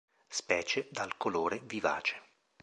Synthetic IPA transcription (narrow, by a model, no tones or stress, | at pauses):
spɛːt͡ʃed̪alkoloːɾeviva̰ːt͡ʃe̥